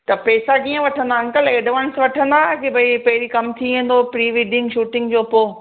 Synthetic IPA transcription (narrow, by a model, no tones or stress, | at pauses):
t̪ɐpeːsakiːə̃ʋɐʈʰə̃nd̪aɐ̃ŋkəleːɖʋənsʋɐʈʰə̃nd̪akebʱɐipɐɦɪɾikɐmt̪ʰiẽːn̆d̪opɾiːʋiːɖɪ̃ŋɡʃuːʈɪ̃ŋɡd͡ʑoːpoː